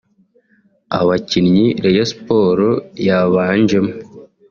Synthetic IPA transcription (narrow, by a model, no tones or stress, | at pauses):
a̰βacinɲiɾejasi̥po̞ɾojaβaːɲd͡ʒemu